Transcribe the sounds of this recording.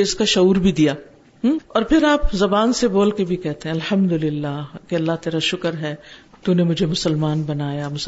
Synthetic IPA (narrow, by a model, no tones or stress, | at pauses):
ɪskaʃɐuːɾbʱid̪ijaː | ɔːɾpʰɪɾaːpzɐbaːnseboːlkebʱikɛɦt̪eɦɛ̃ɐlhɐmd̪ʊlɪlːaːkeɐlːaɦt̪eːɾaʃʊkəɾɦɛːt̪uːnemʊd͡ʒʱemʊsəlmaːnbɐnaːjamʊs